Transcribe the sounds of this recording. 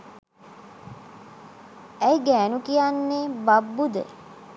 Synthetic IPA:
æjɡæːnukijanːebabːud̪ə̰

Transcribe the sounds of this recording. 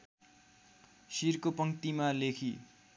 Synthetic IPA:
sirkopʌŋt̪imalekʰi

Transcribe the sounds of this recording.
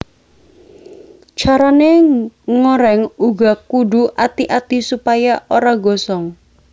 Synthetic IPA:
t͡ʃaɾaneŋoɾɛŋuɡakuɖuʔat̪iʔat̪isupajaʔoɾaɡɔsɔŋ

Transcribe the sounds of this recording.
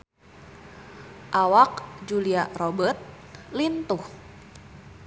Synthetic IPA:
ʔawak̚d͡ʒuliarobərt̪̚ | lint̪uh

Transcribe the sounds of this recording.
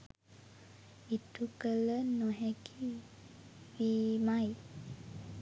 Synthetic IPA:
itukələnoɦɛki | wimaj

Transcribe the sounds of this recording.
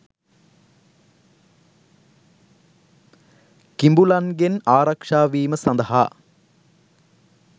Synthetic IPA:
kimbulɐnɡenaːɾɐkʂaːʋiːməsɐnd̪ɐɦa̰ː

